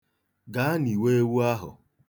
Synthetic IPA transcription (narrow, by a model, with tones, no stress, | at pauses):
ɡa˨˦a˦ni˨we˦e˦wu˦a˦ɦʊ̰˨